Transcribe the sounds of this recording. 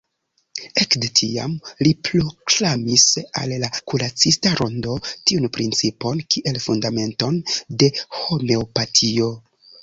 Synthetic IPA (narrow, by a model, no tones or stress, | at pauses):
e̞kdetʰia̰mlipɾoklamisa̰lːakuɾat͡sistaɾʔondo̞tiunpɾḭnt͡sipo̞nkʰiʔe̞lfundame̞nto̞nde̞ho̞me̞opatʰio̞